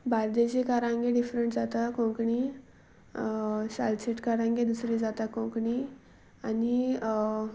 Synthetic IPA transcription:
baɾd̪et͡ɕekaɾãŋɡeɖifɾəɳʈd͡zat̪akõkɳi | salt͡ɕeʈkaɾãŋɡed̪usɾid͡zat̪akõkɳi | ani

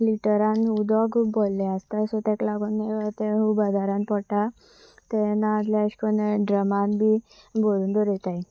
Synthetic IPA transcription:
liʈəɾãnud̪ɔɡbolːeast̪asɔt̪ɛklaɡunːet̪eɦubəd̪ʱaɾãnpɔɽʈa | t̪ɛnaːd͡z̪laɕi̥kənɖɾəmanbi | bolund̪ɔɾjet̪aj

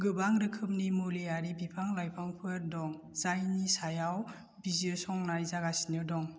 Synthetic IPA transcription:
ɡɯbaŋɾɯkʰɯp̚nimuleaɾibipʰaŋlajpʰaŋpʰɯɾdɔŋ | z̥ajnisajaw | biziɔsɔŋnajzaɡasinɯdɔŋ

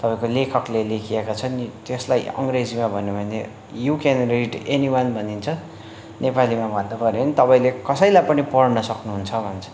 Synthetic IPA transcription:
t̪ʌpaĩkolekʰʌklelekʰiekat͡sʰʌnit̪jeslajʌ̰ŋred͡zimabʱʌnebʱʌne | jukenriɖeniwʌnbʱʌnint͡sʰʌ | nepalimabʱʌnd̪upʌɾenit̪ʌpaĩlekʌsʌjlajpʌnipʌɽnʌsʌknuɦunt͡sʰʌbʱʌnt͡sʰʌ̥

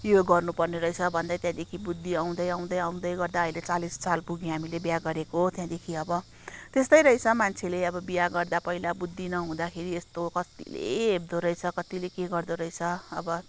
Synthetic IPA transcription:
joɡʌrnupʌrneɾʌjt͡sʰʌbʱʌnd̪at̪jãd̪ekʰibud̪ʱːiaw̃d̪ʌjaw̃d̪ʌjʌaw̃d̪ʌjɡʌrd̪aʌjlet͡salissalpuɡiɦamilebjaɡʌɾekot̪jãd̪ekʰiʌbʌ | t̪est̪ʌjɾʌjt͡sʰʌmant͡sʰeleʌbʌbijaɡʌrd̪apʌɦilabud̪ʱːinʌɦũd̪akʰeɾiest̪okʌt̪ḭlḛːb̚d̪oɾʌjt͡sʰʌkʌt̪ilekeɡʌrd̪oɾʌjt͡sʰʌʌ̰bʌ

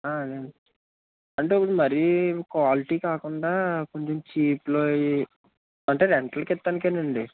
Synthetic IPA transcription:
aːɐd̪eɐɳi | ɐɳʈepːuɽumɐɾijukʋaːliʈiːkaːkuɳɖaːko̞ɲt͡ʃemt͡ʃiːploːi | ɐɳʈe̞ːɾeɳʈɐlkɛt̪ːɐnikenɐɳɖi

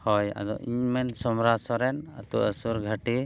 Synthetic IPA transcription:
hɔja̰d̪ɔ̰ʔiɲmɛnsɔmɾasɔɾɛnat̪uʔəsuɾɡʱəʈi

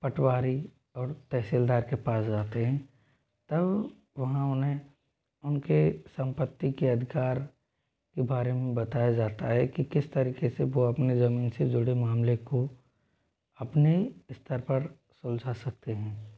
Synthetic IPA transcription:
pɐʈʰwaːɾi | ɔːɾt̪ɛɦsiːld̪aːɾkepaːsd͡ʒaːt̪eɦɛ̃ː | t̪ɐb | ʋɐɦãʊnɦẽ | ʊnkesɐ̃mpət̪ːikeɐd̪ʱɪkaːɾ | kebaːɾemẽbɐt̪aːjad͡ʒaːt̪aɦɛkikɪst̪ɐɾiːkeseʋoɐpnezɐmiːnsed͡ʒʊɽemaːmleko | ɐpneiɪst̪ʰəɾpɐɾ | sʊld͡ʒʱasɐk̚t̪eɦɛ̃ː

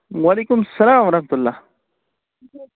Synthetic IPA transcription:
wɐleːkʊmsɐlaːmwɐɾɐhmət̪ulːaː

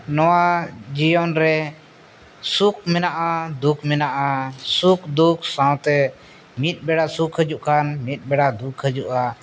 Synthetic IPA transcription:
nɔwad͡ʒijɔnɾɛ | suk̚mɛnaʔad̪ukʰmɛnaʔasukd̪uk̚ʰsãw̃t̪ɛ | mit̪̚ˀbɛɽasukɦəd͡ʒuʔkanmit̪̚ˀbɛɽad̪ukʰhəd͡ʒuʔa

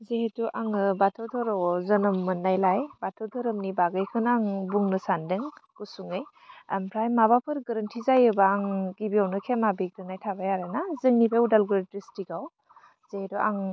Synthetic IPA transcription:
zehetuʔaŋɯbatʰɔwtʰɔɾɔwzɐnɯmːɯnːajlajbatʰɔwtʰɔɾɯmnibaɡɯjkʰɯnaŋbuŋnɯsandɯŋkusuŋej | ampʰɾajmaβapʰɯɾɡɐɾəntʰizajɯbaːŋɡibiawnɯkʰemabiɡ̚dɯnajtʰabajaɾajnazɯŋnipʰeudalɡɯɾtɾestiɡaw | z̥ehetɔʔaŋ

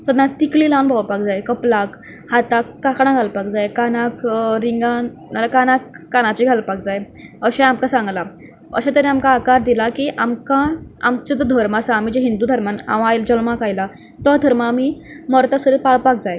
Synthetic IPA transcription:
səd̪nat̪ikliːlãnbʱawpakd͡zajkəplak | hat̪akːakɽ̃ãɡʱalpakd͡zajkanakɾiŋɡan | nalakanakːanat͡ɕiɡʱalpak̚d͡zaj | əɕɛ̃amkasãŋɡla | ə̰ɕãt̪əɾĩamkaːkaɾd̪ilakiːʔamkaa̰mt͡ɕad͡z̪ɔd̪ʱəɾmasaːmid͡ʑeɦind̪uːd̪ʱəɾmana̰ʋaajld͡ʑəlmakajla | t̪ɔd̪ʱəɾmaːmi | mɔɾt̪asəɾepaɭpak̚d͡zaj

